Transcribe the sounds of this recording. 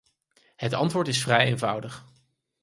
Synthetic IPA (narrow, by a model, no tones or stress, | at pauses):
ɦətɑ̰ntʋʊːɹtɪsfrɛjeːnvʌwdəχ